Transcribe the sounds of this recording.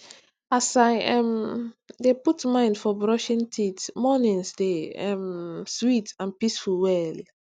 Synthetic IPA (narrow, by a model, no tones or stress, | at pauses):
asaɛ̃mdeputmãɪ̃ndfɔbɹɔʃĩntʰitmɔnĩnsdeɛ̃mswitãnpisfulwɛl